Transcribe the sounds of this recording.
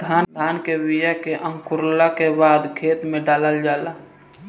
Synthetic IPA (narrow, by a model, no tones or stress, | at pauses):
d̪ʱaːnd̪aːnkebijakeʔə̃ŋkʊɾlakebaːd̪kʰeːt̪mẽɖaːləld͡ʒaːlaː